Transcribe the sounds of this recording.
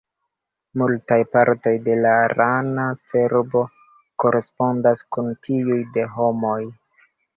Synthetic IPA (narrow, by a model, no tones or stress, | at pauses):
multajpaɾto̞jde̞laɾanat͡se̞ɾbo̞ | ko̞ɾʔe̞spo̞ndaskuntʰiujde̞ɦo̞mo̞j